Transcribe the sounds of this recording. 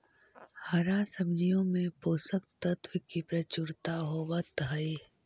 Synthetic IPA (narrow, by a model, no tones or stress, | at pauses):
hɐɾasəmd͡ʒijõmẽpoːsəkt̪ət̪wəkipɾɐt͡ʃʊɾt̪aɦoʋət̪ɦəi